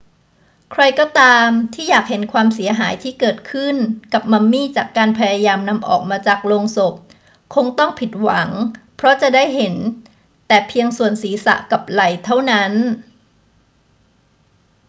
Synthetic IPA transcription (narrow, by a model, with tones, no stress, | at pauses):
kʰɾa˧jkɔː˥˩t̪aː˧mt̪ʰiː˥˩jaː˨˩k̚he˩˦nkʰwaː˧msi˩˦ɐɦaː˩˦jt̪ʰiː˥˩kɤː˨˩t̪̚kʰɯ˥˩nka˨˩p̚ma˧mːiː˥˩t͡ɕaː˨˩kːaː˧npʰa˧jaː˧jaː˧mna˧mʔɔ̰ː˨˩k̚maː˧t͡ɕaː˨˩k̚loː˧ŋso˨˩p̚ | kʰo˧ŋt̪ɔ˥˩ŋpʰi˨˩t̪̚wa˩˦ŋpʰɾɔ˦˥t͡ɕa˨˩daː˥˩jɦe˩˦n | t̪ɛː˨˩pʰi˧əŋsu˨˩ənsiː˩˦sa̰˨˩ʔka˨˩p̚la˨˩jt̪ʰa˥˩wna˦˥n